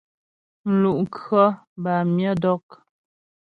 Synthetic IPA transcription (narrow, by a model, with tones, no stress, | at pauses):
n̩˨lu˨ʔŋkɰə˦ba˨mjə˦dɔ˦k̚